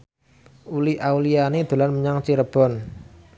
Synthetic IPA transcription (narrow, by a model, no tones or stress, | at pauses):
uliawlianid̪̥o̤lanməɲaŋt͡ʃiɾəb̥ɔ̤n